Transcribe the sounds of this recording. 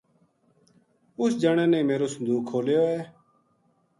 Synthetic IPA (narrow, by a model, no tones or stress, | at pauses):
ʊsd͡ʒəɳ̃ẽːneiːmeːɾoːsənd̪uːkʰːoːljoːeː